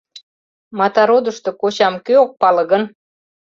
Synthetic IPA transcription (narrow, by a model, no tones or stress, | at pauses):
mɑt̪ɑɾod̪əʃt̪okot͡ɕɑmkøok̚pɑlɤ̆ɣən